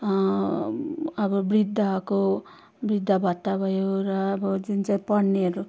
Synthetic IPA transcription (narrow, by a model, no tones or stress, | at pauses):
ʌbʌbrid̪ʱːako | brid̪ʱːabʱʌt̪ːabʱʌjoɾʌːbʌd͡zunt͡saĩpʌɽneʌɾu